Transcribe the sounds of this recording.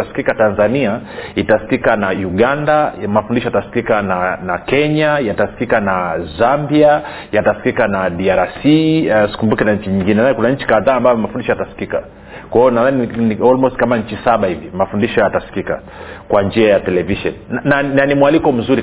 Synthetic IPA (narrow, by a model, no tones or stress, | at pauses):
asi̥kikatanzaniaitasi̥kikanauɠandamafundiʃɔjatasi̥kikananakɛɲajatasi̥kikanazambia | jatasi̥kikanaɗiaɾasisi̥kumbukɛnaɲt͡ʃiɲiŋɡinɛnajɛkunaɲ̩t͡ʃi̥kaðaːmbajɔmafundiʃɔjatasi̥kika | kwaɔnaðaniniɔlmɔstkamaɲ̩t͡ʃisaɓahivimafundiʃɔjatasi̥kika̰ | kwand͡ʒiajatɛlɛviʃɔnnananimwalikɔm̩zuɾi